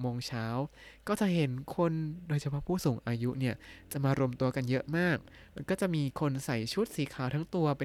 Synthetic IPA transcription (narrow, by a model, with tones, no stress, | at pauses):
moː˧ŋt͡ɕʰaː˦˥wkɔː˥˩t͡ɕa˨˩ʔɦe˨˩˦nkʰo˧ndoː˧jt͡ɕʰa˧pʰɔ˦˥˩pʰuː˥˩suː˩˦ŋʔaː˧ju˦˥ʔni˥˩ɐt͡ɕa˨˩maː˧ɾo˧mt̪u˧ɐka˧njɤ˦˥ʔmaː˥˩k̚ | ma˧nkɔː˥˩t͡ɕa˨˩ʔmiː˧kʰo˧nsa˨˩˦jt͡ɕʰu˦˥t̪̚siː˨˩˦kʰaː˨˩˦wt̪ʰa˦˥ŋt̪u˧ɐpe˧